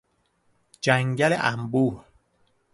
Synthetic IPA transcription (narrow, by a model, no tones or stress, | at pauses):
d͡ʒæŋɟælḛʔæmbuːɾ